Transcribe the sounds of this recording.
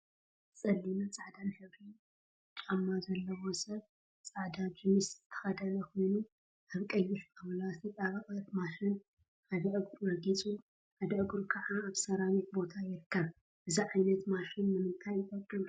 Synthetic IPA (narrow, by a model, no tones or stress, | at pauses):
t͡sʼɐlːinɐt͡sʼaʕd̪anħɨβɾi | t͡ʃʼamːazɐlːɐwosɐβ | t͡sʼaʕd̪ad͡ʒɨmɨszɨt̪ʰɐ̥xɐd̪ɐlɐkʰo̞jnu | ʔaβkʼɐjːɪʃaβɐlasʰɐt̪ʼaβɐxʼɐt̪maʃɪn | had̪ɐʔɨɡɾmɐɡit͡sʼu | ħad̪ɐʔɨɡɾkʰɐʕaːβsɐɾawit̪̚bo̞t̪ʰajɪɾɨkʰːɐβ | ʔɨziʕajnɐt̪maʃɪnnɨmɨnt̪ʰajt̪ʼɐtʼːim